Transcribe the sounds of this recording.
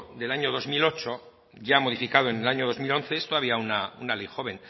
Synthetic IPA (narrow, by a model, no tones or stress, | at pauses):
d̪e̞laɲo̞ðo̞zmilo̞t͡ʃo̞ | ʝamo̞ð̞ifikaðoenelaɲo̞ðo̞zmilõ̞nθe̞est̪oaβiaunaunalejxo̞β̞e̞n